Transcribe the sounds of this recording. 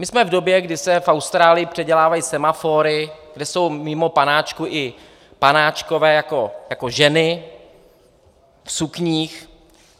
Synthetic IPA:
mɪsmɛvdo̞bjɛɡdɪsɛfawst̪ɾaːlɪjɪpr̝̥ɛɟɛlaːvajisɛmafoːɾɪɡ̥dɛso̞wmɪmo̞panaːt͡ʃkuʔɪ | panaːt͡ʃko̞vɛːjako̞jakoʒɛnɪ | fsukɲiːx

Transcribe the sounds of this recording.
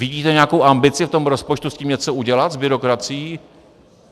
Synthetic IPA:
vɪɟiːt̪ɛɲɛjakowʔambɪt͡sɪft̪o̞mɾo̞spot͡ʃt̪usciːmɲɛt͡so̞uɟɛlat̪zbɪɾo̞kɾat͡sɪiː

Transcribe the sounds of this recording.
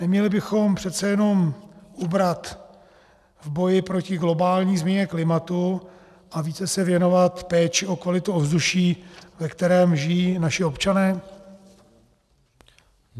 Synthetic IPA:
nɛmɲɛlɪbɪxo̞mpr̥ɛt̪t͡sɛjɛno̞mʔubɾat̪ | vbo̞jɪpɾo̞cɪɡlo̞baːlɲiːzmɲɛɲɛklɪmat̪u | ʔaviːt͡sɛsɛvjɛno̞vat̪pɛːt͡ʃɪo̞kvalɪt̪uovzd̪uʃiːvɛkt̪ɛɾɛːmʒɪjiːnaʃɪo̞pt͡ʃanɛː

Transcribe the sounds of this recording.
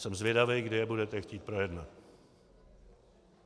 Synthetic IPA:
sɛmzvjɛdavɛjɡdɪjɛbudɛt̪ɛxciːt̪̚pɾo̞jɛdnat̪

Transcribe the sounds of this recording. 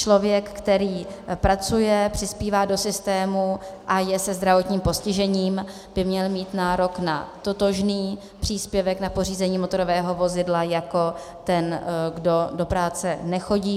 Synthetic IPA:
t͡ʃlo̞vjɛkːt̪ɛɾiːpɾat͡sujɛpr̥ɪspiːvaːdo̞sɪst̪ɛːmuʔajɛsɛzd̪ɾavo̞t̪ɲiːmpo̞scɪʒɛɲiːm | b̥ɪmɲɛlmiːt̪naːɾo̞kna̰t̪ot̪o̞ʒniː | pr̥iːspjɛvɛknapo̞r̝iːzɛɲiːmot̪o̞ɾo̞vɛːɦo̞vo̞zɪdlajako̞ | t̪ɛnɡdo̞do̞pɾaːt͡sɛnɛxo̞ɟiː

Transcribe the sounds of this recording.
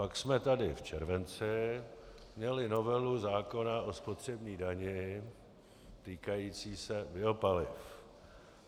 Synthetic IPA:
paksmɛt̪adɪft͡ʃɛɾvɛnt͡sɪ | mɲɛlɪno̞vɛluzaːko̞naʔo̞spot̪r̝̥ɛbɲiːdaɲɪ | t̪iːkajiːt͡siːsɛbɪo̞palɪf

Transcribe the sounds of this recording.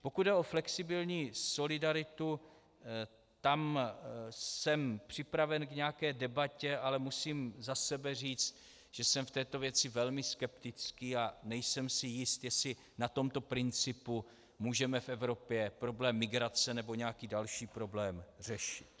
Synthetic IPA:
po̞kud̪dɛo̞flɛksɪbɪlɲiːso̞lɪdaɾɪt̪u | t̪am | sɛmpr̝̥ɪpɾavɛnkɲɛakɛːdɛbacɛʔalɛmusiːmzasɛbɛr̝iːt͡st̪̚ | ʒ̥ɛsɛmft̪ɛːt̪o̞vjɛt͡sɪvɛlmɪskɛpt̪ɪt͡skiːanɛjsɛmsɪjɪst̪jɛsɪ | nat̪o̞mt̪o̞pɾɪnt͡sɪpu | muːʒɛmɛfɛvɾo̞pjɛpɾo̞blɛːmːɪɡɾat͡sɛnɛbo̞ɲɛakiːdalʃiːpɾo̞blɛːmr̝̥ɛʃɪt̪

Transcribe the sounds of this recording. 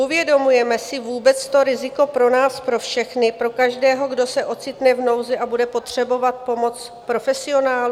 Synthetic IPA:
uvjɛdo̞mujɛmɛsɪvuːbɛt͡st̪o̞ɾɪzɪko̞pɾo̞naːspɾo̞fʃɛxnɪpɾo̞kaʒdɛːɦo̞ɡdo̞sɛʔo̞t͡sɪt̪nɛvno̞wzɛʔabudɛpo̞t̪r̝̥ɛbo̞vat̪̚po̞mo̞t͡s | pɾo̞fɛsɪo̞naːlu

